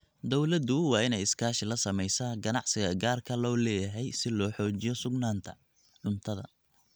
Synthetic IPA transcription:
d̪ɔwlɐd̪ʊwɑːɪnɛjɪskʰaːʃɪlɐsɐmɛjsaɡɐnɑʕsɪɣɐɡaːrkʰɐlɔːlɛːjɐɦɛjsɪlɔːħɔːt͡ʃɪjɔsʊɡnaːnt̪ʰɐ | ʕʊnt̪ʰɐðɐ̰

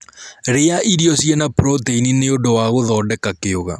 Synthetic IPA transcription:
ɾeaʔiɾiɔsjɛnapɾɔteinineodowaɣoðɔːdɛkakeoɣa̰

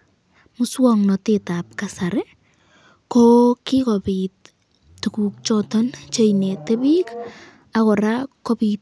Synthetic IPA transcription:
mʊswɔŋnɔtetap̚kasaɾe | kokɪkɔpit̚ | tukuk̚t͡ʃɔtɔnt͡ʃejnetebik | akɔɾakːopit̚

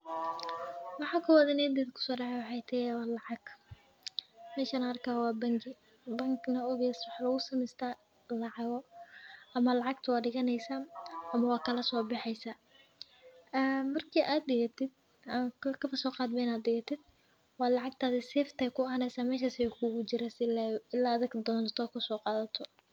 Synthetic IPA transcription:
wɑħɑːkʰɐwɐðɐnɛːd̪ɛːðkʰʊ̥sɔːɖɑʕɛjwɑħɑjt̪ʰɛjawɑːlɑʕɑɡ | mɛːʃanɐɐrkʰaːwɑːbɐŋɡɪ | bɐŋɡnɐɔɣjɛːswɑħɑːlɐɣʊsɐmɛst̪ʰaː | lɑʕɑɣɔʔɐmɐlɑʕɑɡt̪ʰɐwɑːɖɪɣɐnɛjsaːʔɐmɐwɑːkʰɐlɐsɔːbɑħɛjsaː | ʔɛːmɐrkʰiːʔaːd̪̚dɪɣɐt̪ʰɪd̪̚ | ɐkkʰɐfɐsɔːqɑːd̪mɛjnaːd̪dɪɣɐt̪ʰɪd̪̥̚ | wɑːlɑʕɑɡ̚t̪ʰaːðɛsɛːft̪ʰɐkʰʊɐɦɐnɛsaːmɛːʃ̬ɐsɪɛkʰʊɣʊt͡ʃɪɾasɪlːɪlːaːðɐɡd̪ɔːnt̪ʰɔːkʰʊsɔːqɑːðɐt̪ʰɔ

